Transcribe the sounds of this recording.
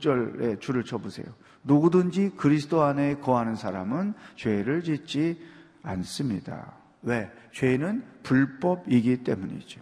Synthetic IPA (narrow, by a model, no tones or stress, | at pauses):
t͡ɕ͈ʌɭe̞t͡ɕuɾɯɭt͡ɕʰʌbusʰe̞̰jo | nuɡudɯnd͡ʑikɯɾisʰɯ̥doane̞kʌɦanɯnsʰaɾamɯnt͡ɕwe̞ɾɯɭt͡ɕit̚t͡ɕ͈i | a̰ns͈ɯmɲida̰ | we̞ | t͡ɕwe̞nɯnpuɭp͈ʌbiɡit͈e̞muɲḭd͡ʑo